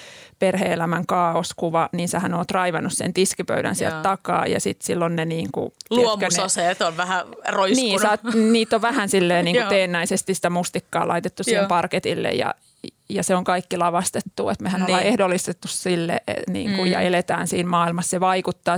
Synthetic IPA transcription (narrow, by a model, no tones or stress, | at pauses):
perheːelæmæŋkɑːoskuʋɑniːnsehænoːt̪rɑiʋɑnːussḛnt̪iskipø̰ydæ̰nsiæ̰lt̪t̪ːɑkɑ̰ːjɑ̰sit̪silːonneniːŋkṵluomkːnoseːt̪olʋæhæroinsniːsɑːniːt̪ːoʋʋæhænsilːeːniːŋkueːnːæisest̪isi̥t̪æmust̪ikːɑ̰ːlʔɑ̰it̪et̪ːusmpɑrket̪ilːḛjjɑ̰ | jɑseoŋkɑikːilɑʋɑst̪et̪ːuet̪mehænolɑehdolːist̪et̪ːussilːḛnḭːŋkujjɑ̰elet̪æ̰ːnsiːnmɑːilmɑsseʋɑikut̪ːɑː